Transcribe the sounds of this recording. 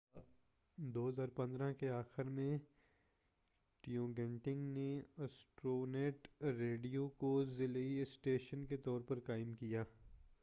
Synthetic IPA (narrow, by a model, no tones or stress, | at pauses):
d̪oːɦɐzaːɾpɐ̃nd̪ɾãkeaːxɪɾmẽ | ʈiõːɡɛ̃ɳʈɪ̃ŋɡneɐsʈɾoːneːʈɾeːɖijokozɪliɪsʈeːʃənket̪ɔːɾpɐɾkaːɪmkijaː